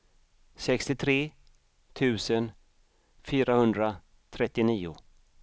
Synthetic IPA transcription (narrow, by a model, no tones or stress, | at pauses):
sɛkst̪ɪt̪ʰɾeː | t̪ʰʉ̟ːsən | fyːɾahɵnd̪ɾa | t̪ʰɾɛt̪ːɪniːʊ̰